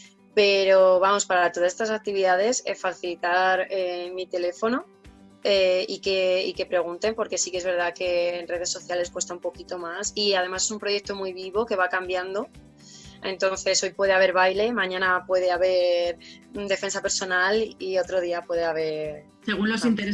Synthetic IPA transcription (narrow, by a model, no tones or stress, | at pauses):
pe̞ɾo̞βamo̞spaɾat̪o̞ðasest̪as̬ak̚t̪iβiðaðe̞sefaθilit̪aɾemit̪e̞le̞fo̞no̞ | eike̞ike̞pɾe̞ɣ̞unt̪e̞mpo̞ɾke̞sikee̞zβe̞ɾð̞ake̞ːnre̞ð̞e̞sːo̞θjale̞skwe̞st̪aumpo̞kit̪o̞masiað̞e̞mase̞s̬umpɾo̞je̞k̚t̪o̞mujβiβo̞ke̞βakambjand̪o̞ | e̞nt̪o̞nθe̞so̞jpwe̞ð̞e̞aβe̞ɾβajle̞mãɲãnapwe̞ðe̞aβe̞ɾ | md̪e̞fe̞nsape̞ɾso̞nalio̞t̪ɾo̞ð̞iapwe̞ðeaβ̞e̞ɾ | seɣunlosint̪eɾe